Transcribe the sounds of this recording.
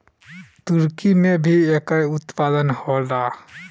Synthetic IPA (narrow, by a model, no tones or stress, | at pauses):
t̪ʊɾkimẽbʱiekajʊt̪paːd̪ənholɾaː